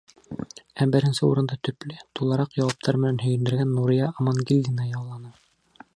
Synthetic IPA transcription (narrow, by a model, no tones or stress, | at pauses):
æbɘ̆ɾɘ̆nsɘṵɾɤ̆nd̪ɑt̪ɵ̆plɘt̪ulˠɑɾɑqjɑwɑp̚t̪ʰɑɾmɘ̆nænhɵ̆jɘ̆nd̪ɘ̆ɾɡænːuɾʲijɑʔːmɑnɡʲilʲd̪ʲinɑjɑwlˠɑnɤ